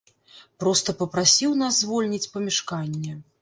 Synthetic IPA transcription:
pɾɔst̪ɐpɐpɾasʲiwnazzvɔlʲnʲit͡sʲpɐmʲɛʂkanʲːɛ

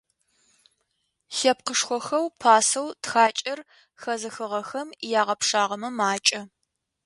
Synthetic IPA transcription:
ɬɐp̚qəʂxʷɔxɐwpʰaːsɐwtxaːt͡ʃʼɐr | xɐzɨxɨʁɐxɐmjaːʁɐpʂaːʁɐmɐmaːt͡ʃʼɐ

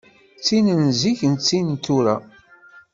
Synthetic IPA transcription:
t͡sːinənziçənt͡sːint̪uɾæ

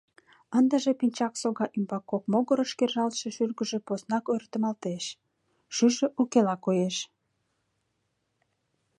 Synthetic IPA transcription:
ənd̪əʒepinʲt͡ɕɑksoɣɑʔymbɑkːok̚moɣoɾəʃkerʒɑlʃeʃyrɣəʒĕposnɑkort̪ə̆mɑlt̪eʃ | ʃyʒĕʔukelɑkojeʃ

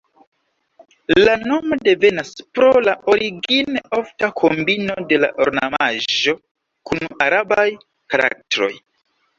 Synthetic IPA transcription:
lano̞mode̞ve̞naspɾolaʔo̞ɾiɡineo̞ftakʰo̞mbino̞de̞la̰ʔoɾna̰maʒo̞ | kunaɾabaj | kaɾa̰k̚tɾo̞̰j

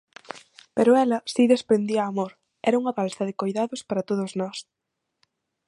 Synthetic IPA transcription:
peɾʊɛlɐsiðespɾend̪iɐːmoɾ | ɛɾɐuŋɐβalsɐðɪkojðaðʊspaɾɐt̪oð̞ʊznɔs

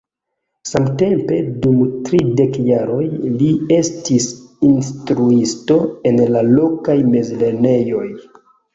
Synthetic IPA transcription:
samte̞mpe̞dumtɾide̞kjaɾo̞jlie̞stisinstɾuisto̞e̞nlalo̞kajme̞zle̞ne̞jo̞j

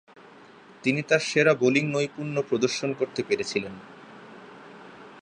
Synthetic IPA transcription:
t̪init̪aɾʃeɾaboliŋnojpuɾnopɾod̪oɾʃonkoɾt̪epeɾet͡ɕʰilen

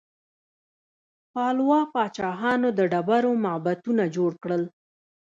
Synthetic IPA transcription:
pɑlwɑpɑt͡ʃɑɦɑnod̪əɖabaɾomabat̪unad͡ʒoɽkɽəl

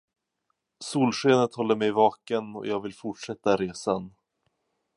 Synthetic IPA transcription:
suːlɧeːnət̪hɔlːəɾmɛjvɑːkənɔ̰jɑːɡvɪlfʊʈʂɛt̪ːaɾeːsan

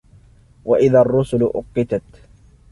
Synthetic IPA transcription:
waʔɪðaːɑrˤːʊsʊlʊʔʊqːɪt̪at̪

